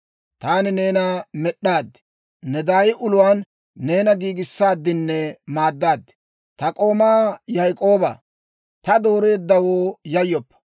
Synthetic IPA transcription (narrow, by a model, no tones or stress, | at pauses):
t̪aːnɪne̞ːnamɛɗːaːd̪ː | nɛd̪aːjɪʔʊlʊwaːnː | e̞ːnɐɡiːɡɪsːaːd̪ːɪnːɛmaːd̪ːaːd̪ | t̪ɐkʼo̞ːmaːjɐjkʼo̞ːbɐ̰ | t̪ɐd̪o̞ːɾe̞ːd̪ːɐwoːjɐjːɔpːɐ̥